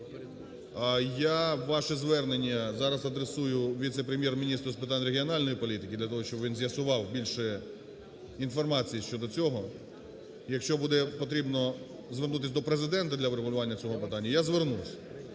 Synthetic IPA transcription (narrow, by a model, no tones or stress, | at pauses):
ɐjaʋɑʃɛzʋɛrnenʲːɐzɑɾɐzɐd̪ɾesujʊʋʲit̪sepɾemʲjɛrmʲinʲist̪ɾʊspɪt̪ɑnʲreɦʲiɔnɑlʲnɔjipɔlʲit̪ɪkʲɪd̪lʲɐt̪ɔɦɔʃt͡ʃɔbʋinzjɐsʊʋɑwbʲilʲʃɛ | infɔrmɑt͡sʲijiʃt͡ʃɔd̪ɔt͡sʲɔɦɔ | jɐkʃt͡ʃɔbud̪ɛpɔt̪ɾʲibnɔ | zʋernut̪ɪsʲd̪ɔpɾezɪd̪ɛnt̪ɐd̪lʲɐʋɾeɦʊlʲʊʋɑnʲːɐt͡sʲɔɦɔpɪt̪ɑnʲːɐjazʋernusʲ